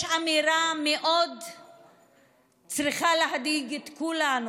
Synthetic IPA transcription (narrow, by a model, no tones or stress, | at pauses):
ʃamiɾameʔod̪ | t͡sʁiχaleɦad̪iɡet̪kulanu